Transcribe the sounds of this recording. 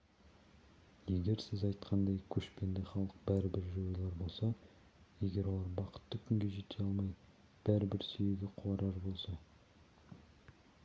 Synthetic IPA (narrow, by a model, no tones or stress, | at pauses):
je̞ɡʲe̞ɾsɪzɑjt̪qʰɑnd̪ɑjkʲʰɵʃpe̞nd̪eχɑlˠəq̚bæɾɪbɪɾʒo̞jlˠɑɾbo̞lˠsɑ | je̞ɡʲe̞ɾwo̞lˠɑɾbɑqʰə̥t̪ːəkʲʰʏŋɡʲe̞ʒe̞t̪ʰeɑlˠmɑj | b̥æɾɪbɪɾsʏjeɡʲɪqʰʊɑɾɑɾbo̞lˠsɑ